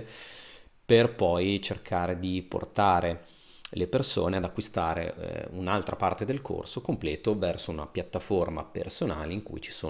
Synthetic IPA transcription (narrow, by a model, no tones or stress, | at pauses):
perpɔjt͡ʃerkʰaːɾed̪ipo̰rt̪aːɾe | leperso̰ːnead̪akːwist̪aːɾḛunalt̪ɾapart̪ed̪elkʰo̰rsokomplɛːt̪ovɛrsouna̰pjat̪ːaforma̰pḛrsonaːleiŋkṵjt͡ʃi̥soː